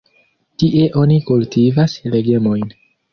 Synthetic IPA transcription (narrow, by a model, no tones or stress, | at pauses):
tiʔe̞ʔo̞nikultivasle̞ɡe̞mo̞jn